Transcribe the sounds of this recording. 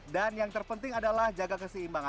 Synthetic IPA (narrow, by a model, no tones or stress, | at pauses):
danjaŋt̪ərpənt̪ɪŋadalahd͡ʒaɡakəsəimbaŋa